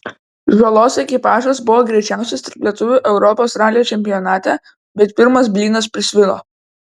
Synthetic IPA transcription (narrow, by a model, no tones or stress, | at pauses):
ʒolˠoːsɛkʲɪpɑːʒosbʊʋoːɡɾʲɛɪt͡ʃʲæˑʊsʲɛst̪ɐɾplʲiɛt̪ʊʋʲuˑʔɛʊɾɔpoːsɾɑːlʲɪjoːt͡ʃʲɛmʲpʲɪjɔnɑːt̪ʲɛ | bʲɛt̪pʲɪɾmɐsbʲlʲiːnɐspʲɾʲɪsʲʋʲɪlˠo̰ː